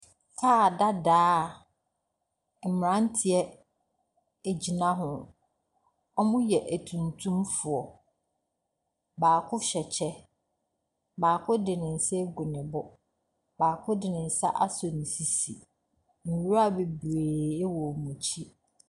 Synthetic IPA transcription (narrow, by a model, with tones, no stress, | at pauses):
kʰaː˦˨da˦daː˦˨ | m̩˨m˨ɾã˦n̩˦tʰɪ˨ɛ˦ | e˨d͡ʑi˨nã˦ɦʊ̃˨ | ɔ˦mʊ̃˦jɛ˨ʔæ˨tʰũ˨ntʰũ˦mfʊ˨ɔ˨ | baː˨kʰʊ˦ɕɛ˨t͡ɕʰɛ˦ | baː˨kʰʊ˦dɪ˨nɪ̃˨n̩˨sɛ˦ɡu˨nɪ̃˨bʊ˦ | baː˨kʰʊ˦dɪ˨nɪ̃˨n̩˨sa˦ʔa˦sɔ˨nĩ˨si˨si˨ | n̩˨wu˦a˦˨be˨bɾeː˨e˦wɔ˨mũ˨t͡ɕʰi˦